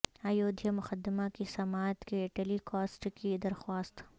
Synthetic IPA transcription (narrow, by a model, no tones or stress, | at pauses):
aːjoːd̪ʱjamʊxəd̪ːɪmakisɐmaːt̪keʈelikɔːsʈkid̪ɐɾxwaːst̪